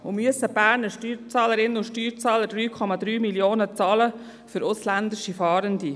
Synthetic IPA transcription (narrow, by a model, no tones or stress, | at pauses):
ʊmyəsəb̥æːɾnəʃtyːɾt͡sɑːləɾɪnəʊʃtyːɾt͡sɑːləd̥ɾyːkʰɔmɑd̪ɾyːmiljoːnət͡sɑːlə | fʏɾʔʊslænd̪ɪʃifɑːɾənd̪i